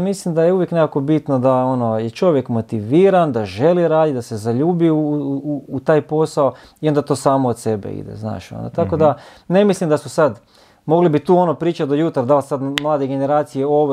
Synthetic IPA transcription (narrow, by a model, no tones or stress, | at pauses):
mislimd̪ajeuʋjeknekako̞bit̪nod̪aono̞jet͡ʃo̞ʋjekmo̞t̪iʋiːɾand̪aʒe̞liɾaːd̪id̪ase̞zaʎuːbiuː | t̪aːjpo̞sao | io̞nd̪at̪o̞ːsaːmood̪sebḛḭd̪ḛzna̰ːʃo̰nd̪a̰t̪ako̞d̪a | ne̞mislimd̪asusad̪ | mo̞ɡlibit̪uːo̞nopɾiːt͡ʃat̪d̪ojut̪aɾad̪alsad̪mlˠaːd̪eɡeneɾaːt̪sijeo̞ʋ